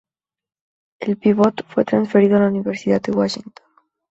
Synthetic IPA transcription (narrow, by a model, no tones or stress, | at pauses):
elpiβot̪fwet̪ɾansfeɾiðoalauniveɾsit̪at̪d̪ewaʃiŋt̪on